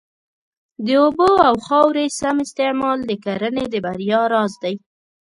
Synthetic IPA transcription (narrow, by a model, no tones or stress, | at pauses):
d̪əoboawxɑwɾesamɪst̪ɪʕmɑld̪əkaɾəned̪əbaɾjɑɾɑzd̪aj